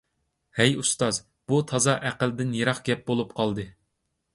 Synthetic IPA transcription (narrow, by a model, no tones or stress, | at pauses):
hɛjust̪ɑz | b̥ut̪ʰɑzɑʔæqəld̪ɪnjeɾɑχɡʲɛp̚bolˠup̚qʰɑlˠd̪ɨ